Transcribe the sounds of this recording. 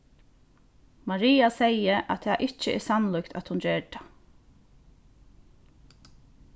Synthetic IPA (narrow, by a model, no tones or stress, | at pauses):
maɹiːasejəʔa̰t̪ʰaʔɪt͡ʃəɛ̰sanlʊkt̪ʰa̰t̪hʊnɹɛːʈḁ